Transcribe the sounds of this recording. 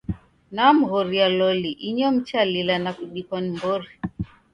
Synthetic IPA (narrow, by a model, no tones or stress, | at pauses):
nam̩ɣɔɾialɔliʔiɲɔm̩t͡ʃalilanakuɗikɔnimbɔɾi